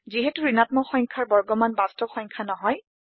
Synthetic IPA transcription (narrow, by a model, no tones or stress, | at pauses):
ziɦɛtuɹinatmɔxɔjŋkʰaɹbɔɹɡɔmanbastɔxɔjŋkʰanɔɦɔj